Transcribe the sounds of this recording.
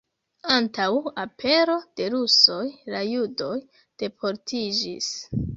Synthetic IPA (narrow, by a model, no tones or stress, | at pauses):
antawapʰe̞ɾo̞d̥e̞ɾuso̞jlajudo̞j | d̥e̞pʰo̞ɾtʰid͡ʒḭs